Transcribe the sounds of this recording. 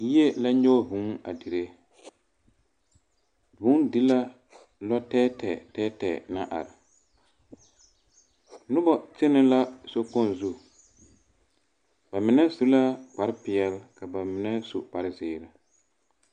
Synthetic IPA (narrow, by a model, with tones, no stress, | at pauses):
ji˦e˦la˦ɲɔ˦˨bu˨˦ŋa̰˨di˨ɾe˦ | bʊ˦ndɪ˦la˦ | lɔ˦tɛː˦tɛ˨tɛː˦tɛ˨na˦ʔa̰˨ɾɪ˨ | nʊ˦bɔ˨t͡ʃɪ˦nɪ˦la˦so˦kɔ˦˨n˨zu˦˨ | ba˨mɪ˨nɛ˦su˦la˦k͡pa˨ɾɪ˦pɪ˨ɛ˦lka˨ba˨mɪ˨nɛ˦sṵ˨k͡pa˨ɾɪ˦zɪː˦˨ɾa˨